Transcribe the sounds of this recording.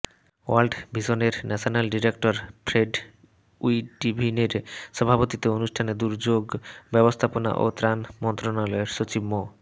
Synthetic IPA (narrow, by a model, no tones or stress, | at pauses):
alɖbʱiʃoneɾnɛʃʰonalɖiɾekʈoɾpɾeɖ | ujʈibʱineɾʃɔbʱapot̪it̪eonuʃʈʰaned̪uɾd͡ʑoɡbɛbost̪ʰapona̰ʔo̰t̪ɾanmɔnt̪ɾonalɔeɾʃot͡ɕibmo